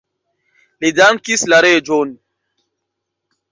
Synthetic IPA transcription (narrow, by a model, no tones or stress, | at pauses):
ledankislaɾed͡ʒoni